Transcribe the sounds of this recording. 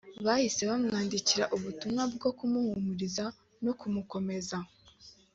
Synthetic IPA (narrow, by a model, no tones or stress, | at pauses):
βahise̞βamŋaːndiciɾaʔuβutumŋab̚ɡo̞kumuhumuɾiza | nokumuko̞me̞za